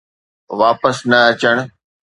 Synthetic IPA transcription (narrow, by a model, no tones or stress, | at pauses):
ʋaːpəsnɐɐt͡ɕəɽ̃̆